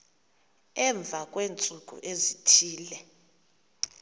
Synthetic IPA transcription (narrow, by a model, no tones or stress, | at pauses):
ɛɱb̪vʱakʼweːnt͡sʼuk̬ʼṵʔezitʰiːlɛ